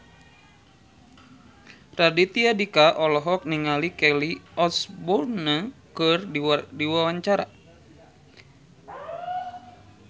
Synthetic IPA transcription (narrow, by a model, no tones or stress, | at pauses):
radit̪iadikaʔɔlɔɦɔk̚niŋalikɛliɔsbɔnakɨrdiwawaɲt͡ʃaɾa̰